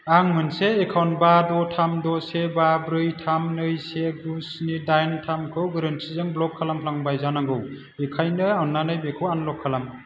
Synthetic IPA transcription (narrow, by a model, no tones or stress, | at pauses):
aŋmɯnseːkʰawnbadɔtʰamdɔsebabɾɯjtʰamnɯjseɡusnidajntʰamkʰɯwɡɯɾɯntʰizɯŋblɔkʰːalampʰlaŋbajzanaŋɡɯw | ekʰajnɯawnːanɯjbekʰɯwanlɔkʰːalam